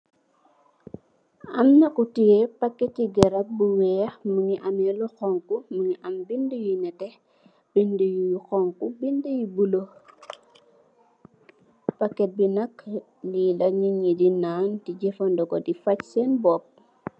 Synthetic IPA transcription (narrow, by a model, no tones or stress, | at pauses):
ɐmnɐkutijɛpɐkːɛtːiɡɛɾɐp̚buwɛːmuŋiʔɐmɛlɔxɔŋkuməŋiʔɐmbindujinɛtɛ | b̥indujujuxɔŋkubindəjibulo | pɐkːɛt̚binɐk | nilɐɲiŋːidinaːntiɟɛfɐndɔkɔdifɐcsɛnbɔp̚